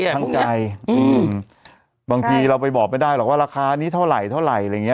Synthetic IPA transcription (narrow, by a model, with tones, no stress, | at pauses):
a˥˩ka˧jʔɯː˧m | baː˧ŋt̪ʰiː˧ɾa˧wpa˧jbɔː˨˩k̚ma˥˩jdaː˥˩jɾɔ˨˩waː˥˩ɾaː˧kʰaː˧niː˦˥t̪ʰa˥˩wɾa˨˩jt̪ʰa˥˩wɾa˨˩ja˧ja˨˩ŋi˦˥